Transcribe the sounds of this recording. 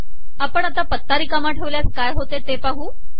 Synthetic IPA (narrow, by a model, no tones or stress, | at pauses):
apəɳ̃at̪apət̪ːaɾiːkamaʈʰəʋljaskajɦot̪et̪epaɦuː